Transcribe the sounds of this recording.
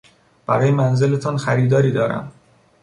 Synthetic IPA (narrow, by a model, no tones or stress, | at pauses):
b̥æɾɒːjemænze̞let̪ʰɒːnxæɾiːd̪ɒːɾiːd̪ɒːɾæ̰m